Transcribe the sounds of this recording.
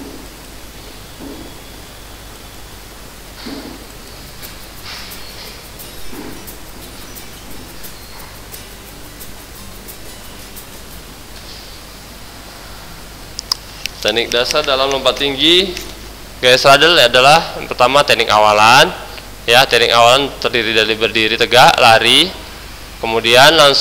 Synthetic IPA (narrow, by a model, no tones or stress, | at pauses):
t̪ɛnɪk̚dasardalamləmpat̪ːiŋɡi | ɡasɾadəladalahapərt̪amat̪ɛnɪkawalan | jat̪ɛnɪkawalant̪ərdiɾidalibərdiɾit̪əɡaʔlaɾi | kəmudianlaŋs